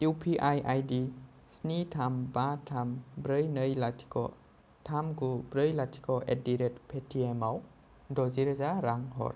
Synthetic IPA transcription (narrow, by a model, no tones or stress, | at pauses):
jupʰiʔajʔajdi | snitʰambatʰambɾɯjnɯjlatʰi̥kʰɔ̰ | tʰamɡubɾɯjlatʰi̥kʰɔʔediɾet̚pʰetʰiemaw | dɔziɾzaɾaŋɦɔ̰ɾ